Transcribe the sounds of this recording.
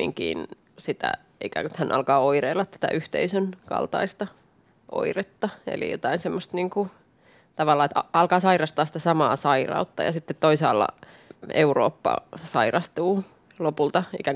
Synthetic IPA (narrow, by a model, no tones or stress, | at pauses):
ḭŋkḭːn | sit̪æ̰ | ḭkæ̰t̪hænʔɑ̰lkɑːoireilːɑt̪t̪æ̥t̪æ̰ʔyht̪eisønkɑ̰lt̪ɑ̰ist̪ɑ | ʔo̰iret̪ːɑḛlḭjo̰t̪ɑinsemːost̪niːŋku | t̪ɑʋɑlːɑːet̪ɑɑlkɑːsɑirɑst̪ɑːsi̥t̪æsɑmɑːsɑirɑ̰ut̪ːɑjɑ̰sit̪ːet̪toisɑːlːɑ̰ | euro̰ːpːɑ̰sɑirɑst̪uː | lopult̪ɑikæŋ